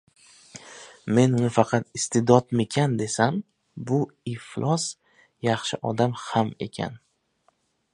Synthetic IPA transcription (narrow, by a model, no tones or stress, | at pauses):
me̞nɪfɑqʰɑt̪ɪst̪ʰɪd̪ɒt̪mekʲʰand̪e̞sam | bʊɪflˠʔɒs | jɑχʃɪʔɒd̪amhame̞̰kʲʰa̰n